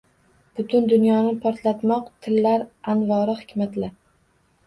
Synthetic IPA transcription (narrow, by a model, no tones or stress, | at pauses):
b̥ʊt̪ʰʊnd̪ʊnjɒnɪpʰɒɾt̪lat̪mɒqt̪ʰɪlːaɾanvɒɾɪhɪkʲmat̪laɾ